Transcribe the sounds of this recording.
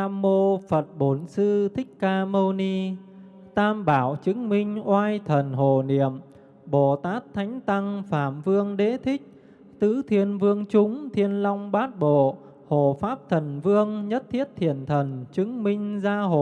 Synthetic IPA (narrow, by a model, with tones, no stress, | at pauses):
aː˧mːo˧fə˨˩t̚ɓo˨˩nsɨ˧t̪ʰï˦˥k̟̚kaː˧mo˧ni˧ | t̪aː˧mɓaː˧˩wt͡ɕɨ˨˦ŋmï˧ŋ̟ʔwaː˧jt̪ʰə˨˩nɦo˧˨˩ni˧˩˨əm | ɓo˧˩t̪aː˦˥t̪ʰa˨˦jŋ̟t̪a˧ŋfaː˧˩mvɨ˧əŋɗe˨˦t̪ʰï˦˥k̟̚ | t̪ɨ˨˦t̪ʰi˧ənvɨ˧əŋt͡ɕʊ˨˦ŋ͡mt̪ʰi˧ənlɔ˧wŋ͡mɓaː˦˥t̚ɓo̰˧˨ | ho˧˨˩faː˦˥p̚t̪ʰə˨˩nvɨ˧əŋɲə˦˥t̚t̪ʰi˦˥ət̚t̪ʰi˧˩ənt̪ʰə˨˩nt͡ɕɨ˨˦ŋmï˧ŋ̟zaː˧ɦo̰˧˨